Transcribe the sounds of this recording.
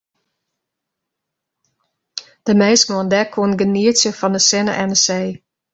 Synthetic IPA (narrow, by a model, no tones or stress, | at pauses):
d̥əmejsmɔndɛkʰːoənɡəniətjəfɔndəsɪnə̰ʔɛndəseː